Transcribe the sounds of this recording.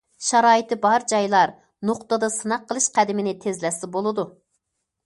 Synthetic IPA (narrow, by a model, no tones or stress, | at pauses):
ʃɑɾɑːjit̪ɨbɑɾd͡ʒɑjlˠɑɾ | noqt̪əd̪ɑsɨnɑqʰːəlˠɨʃqʰæd̪ɪmɪnɪt̪ʰezlɛsɪbolˠɨd̪u